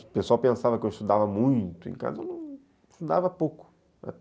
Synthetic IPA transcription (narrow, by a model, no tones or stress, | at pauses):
pesuawpẽsavɐkɪewɪst̪ud̪avɐmũj̃t̪ʊḛ̃ka̰zɐewnɐ̃w̃ | st̪ud̪avɐpowkʊ̥ | a̰t̪